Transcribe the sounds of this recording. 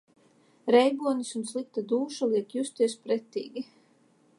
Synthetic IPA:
ɾɛjbuɔnisunslˠik̚t̪ad̪uːʃalˠiɛkjust̪iɛspɾɛt̪ḭːɡʲi

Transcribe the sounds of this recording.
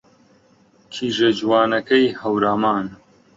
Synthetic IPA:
kʰiʒɐd͡ʒwaːnɐkɐjhɐwɾaːmaːn

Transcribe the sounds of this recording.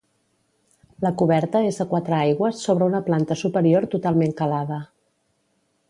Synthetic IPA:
ləkuβɛɾt̪əezðəkwat̪ɾəajɣwəsːoβ̞ɾəunəplant̪əsupəɾioɾt̪ut̪alˠmeŋkəlaðə

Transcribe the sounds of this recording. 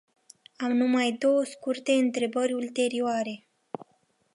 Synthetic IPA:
amnumajd̪o̞wəskurt̪e̞ɨnt̪ɾe̞bərʲult̪e̞ɾioaɾe̞

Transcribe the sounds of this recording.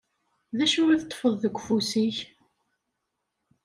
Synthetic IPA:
ðæʃuɾiθt̪ˤːfəðˤðəɡʷːfusiç

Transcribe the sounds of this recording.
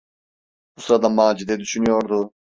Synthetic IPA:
usɾad̪amaːd͡ʒid̪ɛd̪yʃynyjoɾd̪ʊ

